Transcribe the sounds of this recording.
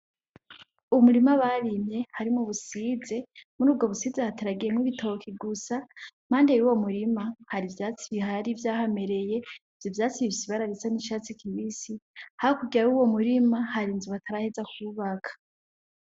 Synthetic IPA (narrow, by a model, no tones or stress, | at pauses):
umuɾimaβaɾimɲe̞haɾimuβusize̞muɾuːb̚ɡo̞βusiːzehataɾaɡiɾemŋiβitʰo̞kʰiɡusam̥aːndejuwo̞muɾimahaɾivjaːt͡siβiɦaɾivjaːhame̞ɾe̞je̞ | v̥jovjaːt͡siβiβisiβaɾaɾisaniʃaːt͡sikʰiβisihahakuɡiɾauwo̞muɾimahaɾinzuβatʰaɾahezakʰuβakʰḁ